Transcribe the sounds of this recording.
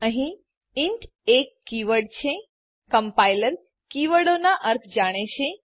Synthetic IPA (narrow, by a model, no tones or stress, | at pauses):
əɦĩ | iɳʈ | ekːiʋəɽt͡ʃʰẽ | kəmpajləɾ | kiʋəɽonaʔəɾt̪ʰd͡ʒaɽ̃et͡ʃʰẽ